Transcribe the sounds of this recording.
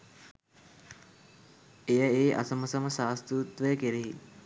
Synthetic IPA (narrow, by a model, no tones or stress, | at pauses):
ejəeːʔa̰səməsɐməsaːst̪ɾuːt̪ʋəjəkeɾiɦi